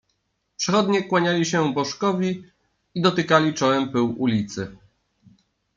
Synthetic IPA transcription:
pʂɛxɔd̪ɲɛkwaɲalʲiɕɛbɔʂkɔvʲi | id̪ɔt̪ɘkalʲit͡ʂɔwɛmpɘwulʲit̪sɘ

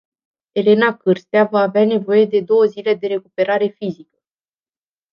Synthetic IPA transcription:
e̞le̞nakɨrst̪eavaːveane̞vo̞je̞d̪e̞d̪o̞wəzile̞d̪e̞ɾe̞kupe̞ɾaɾe̞fizikə̥

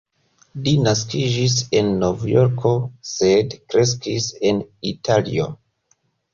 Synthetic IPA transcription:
linaskid͡ʒise̞nːo̞vjo̞ɾkʰo̞se̞dkɾe̞s̬kise̞nitʰalḭo̞̰

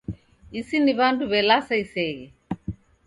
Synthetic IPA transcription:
isiniβanduβɛlasaisɛɣɛ

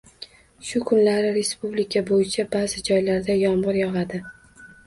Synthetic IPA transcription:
ʃʊkʰʊnlaɾɪɾe̞spublikʲʰabojɪt͡ʃʰabazɪd͡ʒɒjlaɾd̪ajɒmʁɨɾjɒʁad̪ɪ

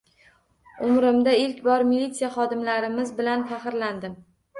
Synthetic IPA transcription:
ʊmɾɪmd̪aɪlkʲbɒɾmilʲːit̪sijaχɒd̪ɪmlaɾɪmɪzbɪlanfɑχɨɾland̪ɪm

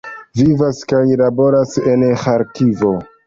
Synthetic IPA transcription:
vivaskajlabo̞ɾase̞nxaɾkivo

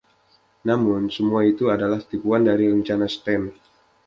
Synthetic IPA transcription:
namʊnsəmuait̪uadalaht̪ipuandaɾiɾəɲt͡ʃanasət̪ɛn

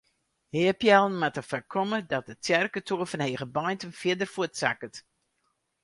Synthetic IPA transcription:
heəpjɛlˠn̩matəfakʰɔmədɔt̚dətjɛrkətoəfənheːɣəbajntənfjɪdərfuətsa̰kət

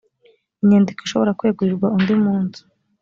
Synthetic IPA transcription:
iɲeːndikiʃo̞βoɾakweːɡuiɾɡwaundimuːnzu̥

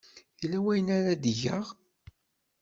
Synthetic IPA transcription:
θilːæwæjənaɾad̪iʝəʁ

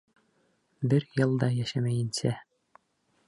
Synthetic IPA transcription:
bɘɾjɤlˠd̪ɑjæʃæmæjɘ̆nsæ

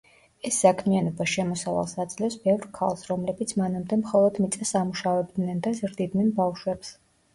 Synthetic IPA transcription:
ɛsːakʰmianɔbaʃɛmɔsava̰lˠsad̪zlɛfsbɛvɾkʰalˠsɾɔmlɛbit̪sʰmanamd̪ɛmχɔlˠɔd̪mit̪sʼɛsamuʃavɛbd̪nɛnd̪azɾd̪id̪nɛnbafʃwɛps

